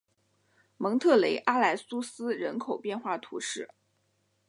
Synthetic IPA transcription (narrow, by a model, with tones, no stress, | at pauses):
mɤ˧˥ŋt̪ʰɤ˥˩le˧˥ɪʔa˥la˧˥ɪsu˥sɹ̩˥ɻə˧˥nkʰo˨˩ʊpjɛ˥˧nxwa˥˩t̪ʰu˧˥ʂɻ̩˥˩